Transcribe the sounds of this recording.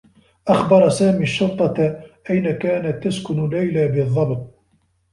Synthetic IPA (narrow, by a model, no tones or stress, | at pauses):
ʔaxbɑɾˤɑsaːmiːʃːʊɾt̪ˤːɑʔajnakaːnat̪ːaskʊnlːajlabɪðˤːɑbt̪̚ˤ